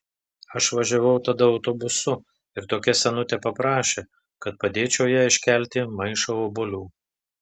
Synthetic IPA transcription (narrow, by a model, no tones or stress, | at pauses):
ɐʃʋɐʒʲɛʋɐʊt̪ɐd̪ɐɒʊt̪obʊsʊ | ɪɾt̪oːkʲɛsʲɛnʊt̪ʲɛpɐpɾɑːʃʲeː | kɐt̪̚pɐd̪ʲeːt͡ʃʲɛʊjæːɪʃʲkʲælʲt̪ʲɪmɐɪʃɐobʊlʲuː